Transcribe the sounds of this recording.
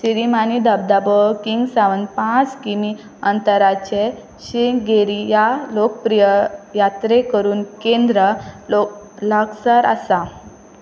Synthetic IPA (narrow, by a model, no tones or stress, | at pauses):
siɾimanid̪əb̚d̪abəkiŋɡsaʋənpãt͡skimi | ənt̪əɾat͡ɕe | ɕiɡeɾijalokpɾijəjat̪ɾekəɾuːnkẽnd̪ɾəlo | ləksəɾə̰sa